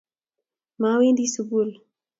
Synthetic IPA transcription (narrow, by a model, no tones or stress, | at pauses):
mɑwend̪isʊbul